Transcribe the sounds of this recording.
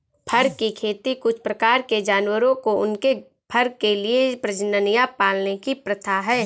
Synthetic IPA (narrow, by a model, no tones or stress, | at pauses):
pʰɐɾkikʰeːt̪ikʊt͡ʃʰpɾɐkaːɾked͡ʒaːnwəɾõkoʊnke | pʰɐɾkeliepɾəd͡ʒnənijapaːlnekipɾɐt̪ʰaɦɛː